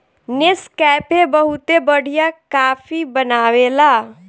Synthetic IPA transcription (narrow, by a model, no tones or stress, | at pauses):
nɪskɛːpebəɦut̪ebəɽ̤ijakaːfibənaːwelaː